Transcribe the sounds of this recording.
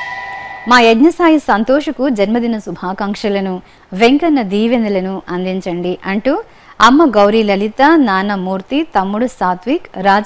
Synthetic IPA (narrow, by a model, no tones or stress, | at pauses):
maːeɡɲɐsaːjisɐnt̪ɔːʂɐkud͡ʒɐnmɐd̪inɐsubʱaːkaːŋkʂɐlɐnu | ʋeŋkɐnːɐd̪iːʋend̪ɐlɐnuʔɐnd̪iɲt͡ʃɐɳɖiʔɐɳʈu | ɐmːɐɡɐwɾilɐlit̪ɐnaːnɐmuːɾt̪it̪ɐmːuɽusaːt̪ʋiːkɾaːd͡ʒ